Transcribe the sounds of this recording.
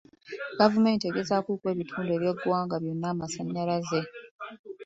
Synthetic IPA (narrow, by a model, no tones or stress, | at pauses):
ɡ̥avume̞ːnteɡe̞zakuːkwe̞ːβitʰuːndeːβje̞ɡwaːŋɡaβjo̞nːaːmasaɲːaɾaze̞